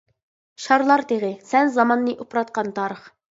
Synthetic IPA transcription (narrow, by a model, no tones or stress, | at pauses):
ʃɑɾlˠɑɾt̪ʰeʁɨsɛnzɑmɑnːɨʔopɾɑt̪̚qɑnt̪ʰɑːɾəχ